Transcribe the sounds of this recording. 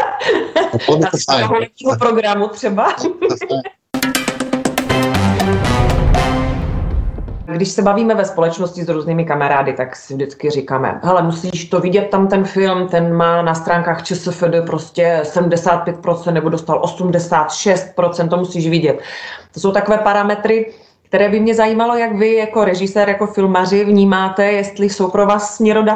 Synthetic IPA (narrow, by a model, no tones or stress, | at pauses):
aolɛiːɦopɾoɡɾamut̪r̝̥ɛba | ɡdɪʃsɛbaviːmɛvɛspo̞lɛt͡ʃnoscɪzɾuːzniːmɪkamaɾaːdɪt̪aksɪvdɪt͡skɪrɪkaːmɛ̰ɦɛlɛmusiːʃt̪o̞vɪɟɛt̪̚ːamt̪ɛnfɪlmt̪ɛnmaːnast̪ɾaːŋkaːxt͡ʃɛsəfɛdəpɾo̞scɛsɛdm̩dɛsaːt̪̚pjɛt̪̚pɾo̞tt͡sɛnt̪nɛbo̞dost̪alʔo̞sumdɛsaːt̪ʃɛst̪̚pɾo̞t͡sɛnt̪ːomusiːʃvɪɟɛt̪t̪oso̞wt̪ako̞vɛːpaɾamɛt̪ɾɪ | kt̪ɛɾɛːbɪmɲɛzajiːmalo̞jaɡvɪjako̞ɾɛʒɪsɛːɾjako̞fɪlmar̝ɪvɲiːmaːt̪ɛjɛst̪lɪso̞wpɾovaːsːmɲɛɾoda